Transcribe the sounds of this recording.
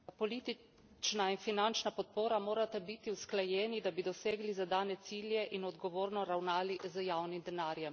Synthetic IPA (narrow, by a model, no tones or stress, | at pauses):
pɔliːt̪i | t͡ʃnainfinant͡ʃnapɔt̪̚poːɾamoːɾat̪ɛbit̪iwsklajɛːnid̪abid̪ɔseːɡlizad̪aːnɛt̪siːljɛʔinɔd̪ɡɔʋoːɾnɔɾawnaːlizəjawnimd̪ɛnaːɾjɛm